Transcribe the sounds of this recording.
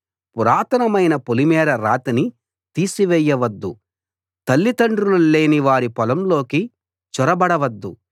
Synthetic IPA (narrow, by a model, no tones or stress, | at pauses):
puɾaːt̪ɐnɐmɐjnɐpolimɛːɾɐɾaːt̪ini | t̪iːsiʋɛjːɐʋɐd̪ːu | t̪ɐlːit̪ɐɳɖɾulule̞ːniʋaːɾipɔlɐmlo̞ːki | t͡ʃɔɾɐbɐɽɐʋɐd̪ːu